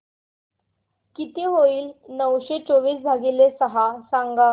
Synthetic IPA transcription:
kit̪eɦoiːlnəʋɕet͡soʋiːsd͡zʱaɡilesəɦasaŋɡa

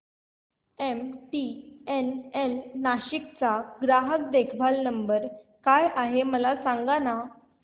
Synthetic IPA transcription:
emʈienenːaɕikt͡saɡɾaɦək̚d̪ekʰbʱalnəmbəɾ | kajʔaɦeməlasaŋɡana

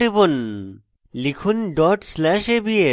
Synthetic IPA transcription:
ibon | likʰunɖɔʈslɛʃebie

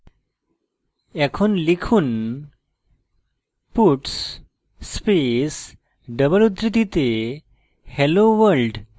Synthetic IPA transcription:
ɛkʰonlikʰuːn | puʈs | spes | ɖəbəɭud̪ɾit̪it̪e | hɛloʋəlɖ

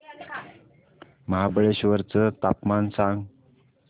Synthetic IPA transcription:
məɦabəɭeɕʋəɾt͡sət̪apmansãŋɡ

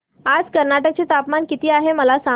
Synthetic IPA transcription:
ad͡zkəɾnaʈək̚t͡ɕet̪apmankit̪iːaɦeməlasa

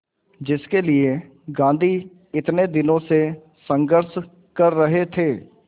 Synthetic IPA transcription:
d͡ʒɪskelɪe | ɡãːnd̪ʱi | ɪt̪ned̪ɪnõse | sə̃ŋɡəɾʃ | kɐɾːəɦet̪ʰeː

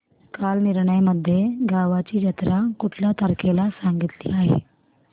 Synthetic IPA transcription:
kaːlnɪɾɳəjməd̪ʱːjeɡaːʋat͡ʃid͡ʒət̪ɾakʊʈʰlat̪əɾkelasãːŋɡɪt̪lḭaːɦḛː

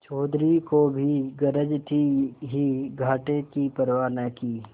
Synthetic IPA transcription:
t͡ʃɔːd̪ɾikobʱiɡəɾəd͡ʒt̪ʰiɦiɡʱaːʈekipəɾwaːnəkiː

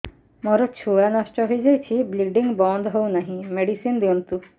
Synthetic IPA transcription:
mɔɾɔt͡ɕʰuanɔʃʈɔɦojd͡ʒajt͡ɕʰibliɡɖiŋɡbɔɳd̪ɦownaɦĩmeɽisind̪iɔ̃nt̪u

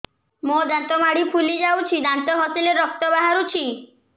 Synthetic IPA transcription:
mod̪ant̪ɔmaɽipʰulid͡ʒawt͡ʃʰid̪ant̪ɔɦɔsileɾːɔk̚t̪ɔbaɦaɾut͡ʃʰi

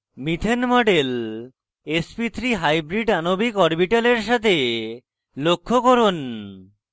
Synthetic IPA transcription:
mit̪ʰenmɔɖel | espit̪ʰɾiɦajbɾiɖanobikɔɾbiʈaleɾʃat̪ʰe | lokʰːokoɾon

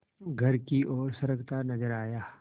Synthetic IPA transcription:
ɡʱɐɾkiʔɔːɾsɐɾəɡt̪anɐd͡ʒəɾaːjaː

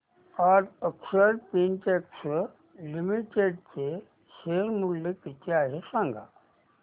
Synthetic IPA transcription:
aɾəksəɾpinʈeks | limiʈeɖt͡ɕe | ɕeɾmulːekit̪ʰeaɦesãŋɡʱa̰

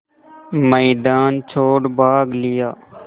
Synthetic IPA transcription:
məːd̪aːnt͡ʃʰoːɽbʱaːɡlɪjaː

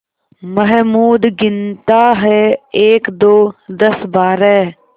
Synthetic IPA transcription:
məɦmuːd̪ɡɪnt̪aːɦɛeːkd̪oːd̪əsbaːɾɛː

